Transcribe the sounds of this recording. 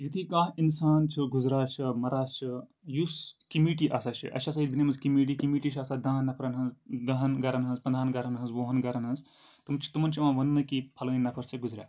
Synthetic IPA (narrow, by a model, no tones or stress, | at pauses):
jit̪ʰikãːɦinsaːnt͡ʃʰɐɡuzɾaːt͡ʃʰɐmɐɾaːst͡ʃʰi | juskimiːʈ̬iʔasaːt͡ʃʰḭʔɐ̰ʃʰɐs̬aid̪ʲbinimɐzkimiʈ̬ikimiʈit͡ʃʰaːsad̪ãːnːɐpʰɐɾɐnɦɐnzd̪ɐɦɐnɡɐɾɐnɦɐnzpɐnd̪ʱaːnɡɐɾɐnɦɐnzʋoːɦɐnɡɐɾɐnɦɐnz | t̪ɨmt͡ʃʰi̥t̪ɨmɐnt͡ʃʰiʋãːʋɐnːɨkipʰɐlɐnʲnɐpʰɐɾsʰiɡuzɾʲja̰ː